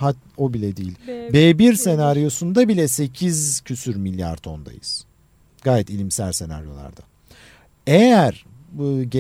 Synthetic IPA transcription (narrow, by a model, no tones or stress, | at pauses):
hat̪ | o̞bilʲɛd̪iːilʲbeːbiɾse̞naɾijo̞sund̪abilʲɛse̞cʰizcʰysyɾmilʲːja̰ɾt̪ʰo̞nd̪a̰jɯ̰z̥ | ɡaːjɛt̪ilʲimsælʲse̞na̰ɾjo̞lˠa̰ɾd̪a̰ | ejæɾ̥ | ɯːɟe